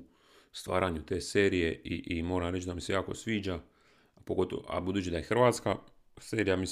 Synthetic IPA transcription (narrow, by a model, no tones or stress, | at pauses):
st̪ʋa̰ːɾʔaɲut̪e̞ːse̞ːɾije̞ʔiʔimo̞ːɾamɾet͡ʃd̪amise̞jaːkosʋiːd͡ʒa | poɡo̞t̪o̰o̰a̰bud̪uːt͡ɕid̪ajexrʋaːt̪ska | seːɾijami